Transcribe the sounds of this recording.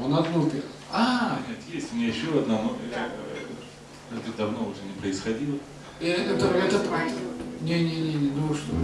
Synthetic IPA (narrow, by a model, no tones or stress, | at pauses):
onɐd̪nopʲɪanʲet̪jesʲtʲmnʲejɪɕːoɐd̪nɐmoja | ɛt̪əd̪ɐvnoʊʐɛnʲɪpɾəɪsxɐdʲilˠə | ɛt̪əkɐt̪oɾɛt̪əpɾajʲnʲenʲenʲenʲenoʂt̪o